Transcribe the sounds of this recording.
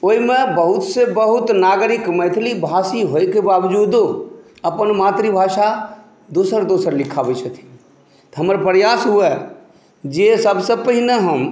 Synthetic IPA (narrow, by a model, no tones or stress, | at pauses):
oːimebəɦʊt̪sebəɦʊt̪naːɡɾɪkməjt̪ʰlibʱaːsiɦojkebawd͡ʒud̪ | əpənmaːt̪ɾibʱaːʃa | d̪usəɾd̪oːsəɾlɪkʰabət͡ʃʰət̪ʰi̥ | t̪ɔɦəməɾpɾjaːsɦuɛ | d͡ʒesəbsəpəɦineɦəm